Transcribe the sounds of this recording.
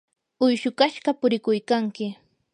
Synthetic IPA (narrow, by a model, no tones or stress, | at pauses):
ʊjʃʊkaʃɢɑpʊɾɪkʊjkaŋkɪ